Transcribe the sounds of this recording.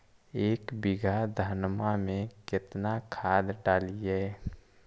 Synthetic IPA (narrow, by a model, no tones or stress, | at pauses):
eːkbɪɡʱad̪ʱənmamẽkɪt̪nakʰaːd̪ɖaːliɦɛː